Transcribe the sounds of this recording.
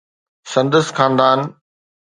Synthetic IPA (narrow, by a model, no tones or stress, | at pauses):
sɐ̃nd̪əsxaːnd̪aːn